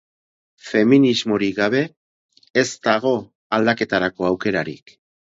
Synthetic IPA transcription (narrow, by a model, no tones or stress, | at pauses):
fe̞minizmo̞ɾiɡaβ̞e̞ː | zt̪aɣ̞o̞ | ald̪ake̞t̪aɾako̞awke̞ɾaɾḭk